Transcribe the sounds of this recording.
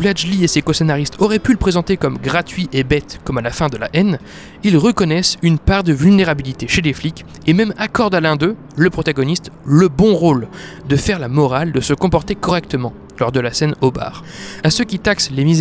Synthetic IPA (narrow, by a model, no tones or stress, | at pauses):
vlad͡ʒliesekɔsenaʁist̪ʰɔʁɛpyləpχezɑ̃t̪ekɔmɡʁat̪ɥiʔebɛt̪kɔmalafɛ̃d̪əla̰ʔɛn | ilʁəkɔnɛsynpaʁd̪əvylneʁabilit̪eʃeleflik | emɛmakɔʁd̪alɛ̃d̪ø | ləpχɔt̪aɡɔnist̪ləbɔ̃ʁold̪əfɛʁlamɔʁald̪əsəkɔ̃pɔʁt̪ekɔʁɛk̚t̪əmɑ̃ | lɔʁd̪əlasɛnoba̰ːʁasøkʲit̪akslemiz